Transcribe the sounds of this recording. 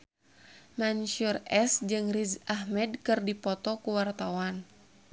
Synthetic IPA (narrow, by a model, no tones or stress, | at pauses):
manʃurɛsd͡ʒɨŋrizahmɛdkɨrdipɔt̪ɔkuwart̪awan